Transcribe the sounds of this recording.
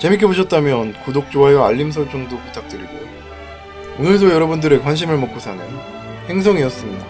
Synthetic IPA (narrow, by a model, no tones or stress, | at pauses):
t͡ɕe̞mik̬ʰe̞boɕʰʌt̚t͈amjʌnkudok̚t͡ɕ͈oɦajʌa̰ʎːims̬ʰʌɭt͡ɕ͈ʌŋdopu̥tʰak̚t͈ɯɾiɡojo | onɯɭdojʌɾʌbundɯɾɯɭkwanɕ̬ʰimɯɭmʌk͈usʰane | he̞ŋs̬ʰʌŋiʌs͈ɯmɲida